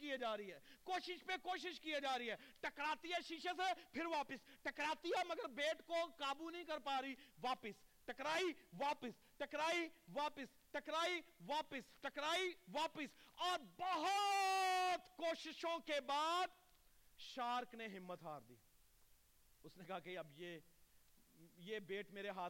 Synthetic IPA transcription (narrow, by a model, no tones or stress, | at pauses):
kijed͡ʒaːɾiɦɛːkoːʃɪʃpekoːʃ̬ɪʃkijad͡ʒaːɾəiɦɛːʈɐkɾaːt̪ijaʃɪʃəs̬epʰɪɾʋaːpɪsʈɐkɾaːt̪ijamɐɡəɾbeːʈkokaːbunɐɦĩkɐɾpaːɾiʋaːpəsʈɐkɾaːiʋaːpəs | ʈɐkɾaːiʋaːpəs | ʈɐkɾaːiʋaːpəsʈɐkɾaːiʋaːpɪsɔːɾbɐɦɔ | t̪koːʃɪʃõkebaːd̪ | ʃaːɾkneɦɪmːət̪ɦa̰ːɾd̪ḭː | ʊsnekɐɦakeɐbje | jebeːʈmeːɾeɦaːt̪